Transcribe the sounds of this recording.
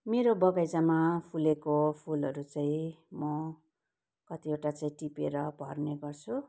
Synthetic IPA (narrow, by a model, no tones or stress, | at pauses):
meɾobʌbajd͡zamapʰulekopʰulʌɾut͡saĩmʌ | kʌt̪ieʈat͡saĩʈipeɾʌbʱʌrneɡʌrt͡sʰu